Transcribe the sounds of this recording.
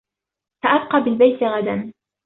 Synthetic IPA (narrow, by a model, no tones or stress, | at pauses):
saʔab̚qɑːbɪlbajt̪ɪɣad̪an